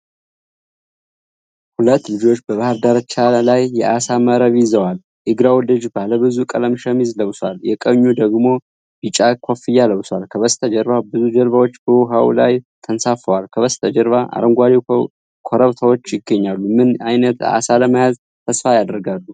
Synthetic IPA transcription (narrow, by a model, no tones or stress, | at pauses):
hulət̪ːlɨd͡ʒo̞t͡ʃːbəβahəɾd̪aɾət͡ʃːalajːɛʔasaməɾəβɪzəwal | ʔɨɡɾawlɨd͡ʒbaləβɨzukʼələmʃəmizləwsʷaljɛkʼəɲːud̪əɡmo̞ | bit͡ʃʼakʰʷofɨjːaləwswalkʰəβəst̪ʰəd͡ʒəɾβabɨzud͡ʒəɾβawot͡ʃːbəwɔɦaw̰lajt̪ʰənsafəwalkʰəβəst̪ʰəd͡ʒəɾβaʔa̰ɾəŋɡʷaɾi | kʰoɾəβt̪ʰəwot͡ʃːjɪɡːəɲːalːumɨnajnət̪a̰saləmajaz | t̪ʰəsfajad̪əɾɡalːu